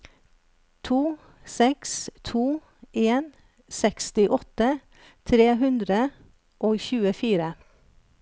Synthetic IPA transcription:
t̪ʰuː | sɛkst̪ʰuː | eːn | sɛkst̪ɪʔɔt̪ə | t̪ʰɾeːɦʉnd̪ɾə | ʔoːçʉːəfiːɾə

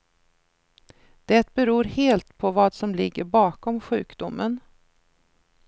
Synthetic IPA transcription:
d̪̥ɛt̪̚bɛɾuːɾheːlt̪pʰɔvɑːd̪sɔmlɪɡːəɾbɑːkɔmɧʉ̟ːkd̪ʊmːən

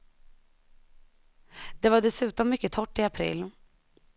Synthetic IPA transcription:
d̪̥ɛvaɖɛsʉ̟ːt̪ɔmːʏkːət̪ʰɔʈːɪapʰɾḭːlː

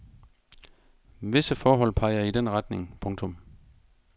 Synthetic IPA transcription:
ʋe̝səfɒːɦɒ̽l̰pʰɑ̈ɪɐid̥enʁɑ̈d̥ne̝ŋpʰɔ̽ŋt͡sʰɔ̽m

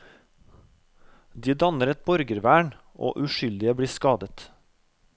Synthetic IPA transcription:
d̪iːd̪ɑnəɾɛt̪̚bɔɾɡəɾʋæːɳʔo̰ːʔʉʃʏld̪ɪəbɽiːskɑːd̪ət̪

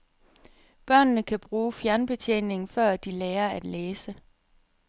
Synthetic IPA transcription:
b̥ɶɐ̰nnəkʰæb̥ʁuːfjæɐnb̥e̝t͡sʰḛːne̝ŋ̩fɶɐ̰d̥ileːɐæd̥leːsə

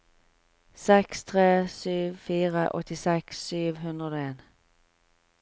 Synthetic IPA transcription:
sɛkst̪ʰʁeːsyːʋfiːʁəʔɔ̰t̪ɪsɛksyːʋhʉnd̪ʁəd̪oːeːn

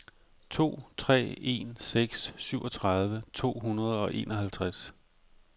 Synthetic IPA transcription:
t͡sʰo̝̰ːt͡sʰʁɛ̰ːe̝̰nseɡ̥sːyʊɒ̽t͡sʰʁaðˠʋət͡sʰo̝̰ːɦunɐð̞ˠɒ̽ʔe̝̰ːnʔɒ̽ɦælt͡sʰʁas

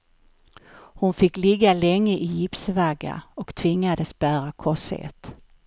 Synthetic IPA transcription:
hʊnfɪkːlɪɡːalɛŋːəʔɪjɪpsvaɡa̰ɔkt̪ʰvɪŋːad̪əsbæːɾakʰɔshḛːt̪

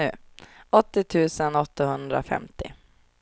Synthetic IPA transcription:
ʉ̟ːɔt̪ːɪt̪ʰʉ̟ːsənɔt̪ːahɵnd̪ɾa̰fɛ̰mt̪ɪ̰

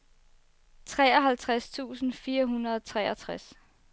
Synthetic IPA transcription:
t͡sʰʁɛːɒɦælt͡sʰʁast͡sʰṵːsn̩fiːɐɦunɐðˠt͡sʰʁɛːɐt͡sʰʁas

